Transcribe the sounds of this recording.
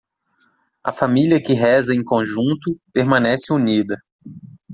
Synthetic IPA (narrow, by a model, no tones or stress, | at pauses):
ɐfamiliɐkɪɦɛzɐẽj̃kõʒũnt̪ʊpeɾmɐ̃nɛsɪunid̪ɐ